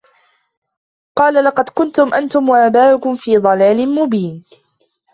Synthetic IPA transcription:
qɑːlalɑqɑd̪kʊnt̪ʊmʔant̪ʊmwaʔaːbaːʔʊkʊmfiːðˤɑlaːlɪnmʊbiːn

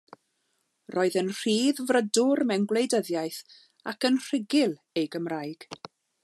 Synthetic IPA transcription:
rʔɔːɨðənr̥iːðvrədʊrmɛnɡlˠejdəðjajθ | akənr̥ɪɡɪlˠ | ejɡəmrajɡ̥

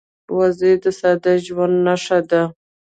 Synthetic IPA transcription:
wazed̪əsad̪aʒwand̪naʂad̪a

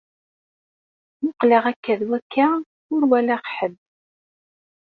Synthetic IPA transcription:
mʊqləʁækːæðwækːa | ʊɾwælæqħəb

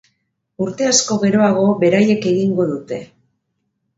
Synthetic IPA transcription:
uɾt̪e̞asko̞ɣe̞ɾo̞aɣ̞o̞βe̞ɾaje̞ke̞ɣiŋɡo̞ðut̪e̞

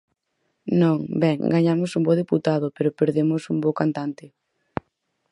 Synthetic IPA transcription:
nõŋbɛŋɡaɲamʊsumboðeput̪aðʊpeɾʊpeɾðemʊsumbokant̪ant̪ɪ

